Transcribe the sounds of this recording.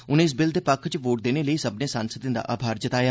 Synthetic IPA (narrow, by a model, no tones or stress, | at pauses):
ʊnẽːɪs̬bɪld̪eːpəkʰt͡ʃʋoːʈ̚d̪eːneːləiːsəbnẽːsaːnsət̪ẽd̪a̰ːʔaːbʱaːɾd͡ʒət̪aːjaː